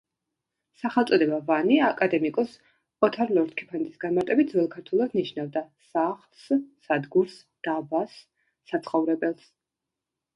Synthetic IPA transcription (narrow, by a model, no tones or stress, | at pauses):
saχɛlˠt̪sʼɔd̪ɛbavaniakʼad̪ɛmikʼɔs | ɔt̪ʰaɾlˠɔɾt̪kʰɛ̥pʰant̪ʼisɡ̥anmaɾt̪ʼɛbit̪̚zwɛlˠkʰaɾt̪ʰulˠad̪niʃnavd̪asaχlˠsː | ad̪ɡuɾs | d̪̥abasː | at̪sʰχɔvɾɛbɛlˠs